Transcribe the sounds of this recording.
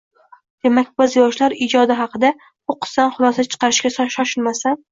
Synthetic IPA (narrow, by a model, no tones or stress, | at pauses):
d̪̥e̞makʲbɪzjɒʃlaɾɪd͡ʒɒd̪ɪɦɑqʰɨd̪a | bʊqʰɨ̥sːanχʊlˠɒsat͡ʃʰɨ̥qɑɾɪʃkʲasɒʃɒʃɪlmasan